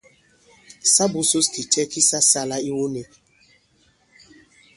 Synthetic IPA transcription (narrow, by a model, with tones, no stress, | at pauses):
sa˦bʊ˨so˦ski˨t͡ʃɛ˦ki˦sa˦sa˦la˦i˦wo˦ne˦